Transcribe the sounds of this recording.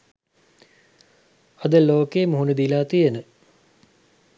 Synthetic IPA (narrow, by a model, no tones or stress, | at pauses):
ɐd̪əloːkeːmuɦunəd̪ilaːt̪ijenə